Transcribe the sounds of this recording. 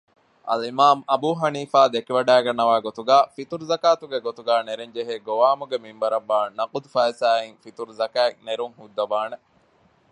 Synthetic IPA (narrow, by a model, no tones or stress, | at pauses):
ʔɐ̰limaːmɐbuːɦɐniːfaːd̪ekiʋɐɖæːɡɐnːɐʋaːɡot̪uɡaːfit̪uɾuzɐkaːt̪uɡeɡot̪uɡæːneɾeɲd͡ʒeɦeːɡoʋaːmuɡemimbɐɾɐʋːaːnɐqud̪ufɐisaːiŋfit̪uɾuzɐkæːkneɾuŋhud̪ːɐʋaːne